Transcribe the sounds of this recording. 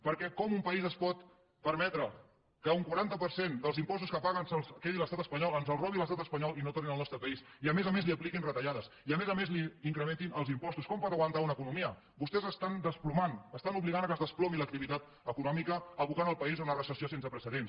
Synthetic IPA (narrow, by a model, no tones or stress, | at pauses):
pəɾkɛkɔmumpəizəspɔt̪ | pəɾmɛt̪ɾə | kəuŋkwaɾant̪əpəɾsend̪əlˠzimpɔst̪uskəpaɣənsəlkeðiləst̪at̪əspəɲɔlˠənzəlˠrɔβiləst̪at̪əspəɲɔlˠinot̪oɾninəlˠnɔst̪ɾəpəiz | iəmezəmezliəplikinrət̪əʎaðəs | iəmezəmezliːŋkɾəment̪inəlˠzimpɔst̪uskɔmpɔt̪əɣwənt̪aunəkunumiə | bust̪ɛzəst̪and̪əsplumanəst̪anuβliɣanəkəzðəsplɔβilək̚t̪iβit̪at̪ | əkunɔmikəəβukanəlˠpəizunərəsəsiosensəpɾəsəðens